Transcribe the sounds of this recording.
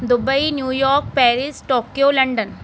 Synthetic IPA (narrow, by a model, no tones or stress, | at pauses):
d̪ʊbɐjnjuːjoːɾk̚peːɾisʈoːkjoːlɐɳɖɐn